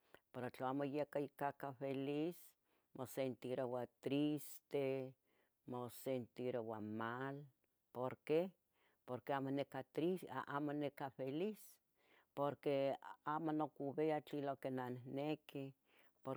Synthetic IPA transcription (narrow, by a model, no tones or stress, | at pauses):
peɾot͡ɬaamojekaikakafelis | mosent̪iɾowat̪ɾist̪e | mosent̪iɾowamal | poɾke | poɾkeamonekat̪ɾisʔamonekafelis | poɾkeamonokuβeat͡ɬilokenanneki | poɾ